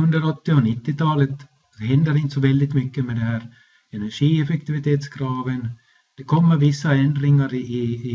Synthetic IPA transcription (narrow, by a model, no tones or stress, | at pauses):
ɵnd̪əɾɔt̪ːɪɔnɪt̪ːɪt̪ʰɑːlət̪ | hɛnd̪əɾɪnt̪əsɔvɛld̪ɪt̪mʏkːəmɛd̪ɛhæːɾ | ɛnæʂiːɛfɛk̚t̪ɪvɪt̪ʰeːt̪skʰɾɑːvən | d̪̥ɛkʰɔmːəɾvɪsːaɛnd̪ɾɪŋːaɾɪː